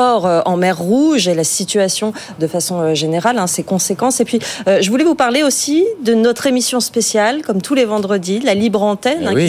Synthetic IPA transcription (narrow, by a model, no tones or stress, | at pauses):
ɔʁøɑ̃mɛʁːuʒelasit̪yasjɔ̃ | d̪əfasɔ̃øʒeneʁalɛ̃sɛkɔ̃sekɑ̃sepɥiøʒəvulɛvupaʁleosid̪ənɔt̪χemisjɔ̃spesjalkɔmt̪ʰulevɑ̃d̪ʁəd̪ilalibʁɑ̃t̪ɛnɛ̃